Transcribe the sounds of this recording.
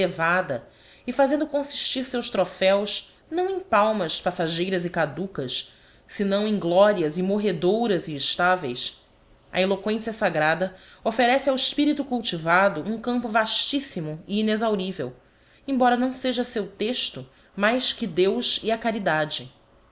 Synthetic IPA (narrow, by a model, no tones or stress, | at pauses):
levad̪ɐ | ɪfazẽnd̪ʊkõsi̥ʃt͡ʃiɾsewʃt̪ɾofɛws | nɐ̃w̃ẽj̃pawmɐspasaʒejɾɐzɪkad̪ukɐs | sɪnɐ̃w̃ẽj̃ɡlɔɾiɐzɪmoɦed̪owɾɐziːʃt̪avḛjs | ɐ̰elokwẽsiɐsaɡɾad̪ɐofeɾɛsɪawɪʃpiɾit̪ukuwt͡ʃivad̪ʊʔũŋkɐ̃mpʊvaʃt͡ʃisimʊiinezawɾivḛw | ẽbɔɾɐnɐ̃w̃seʒɐsewt̪eʃt̪ʊ | majʃkɪd̪ewziɐkaɾid̪ad͡ʒɪ